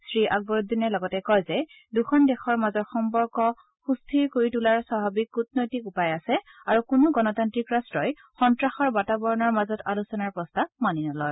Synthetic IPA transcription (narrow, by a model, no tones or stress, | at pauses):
sɹiʔaɡ̚bɔɹud̪ʱːinɛlɔɡɔtɛkɔjzɛ | duxʰɔndɛxɔɹmazɔtxɔmpɔɹkɔ | xustʰiɹkoɹitulaɹsaɦabikːut̚nɔjtikʊpajasɛaɹukunuɡɔnɔtantɹikɹastɹɔj | xɔntɹaxɔɹbatabɔɹɔnɔɹmazɔtalusɔnaɹpɹɔstamaninɔlɔj